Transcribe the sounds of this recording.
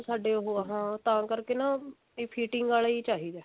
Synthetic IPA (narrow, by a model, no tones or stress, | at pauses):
saːɖeːɦoːəɦãːt̪ãːkəɾkeːnãː | pʰiːʈɪŋɡɡaːliːt͡ʃaːɦiːd̪ɛː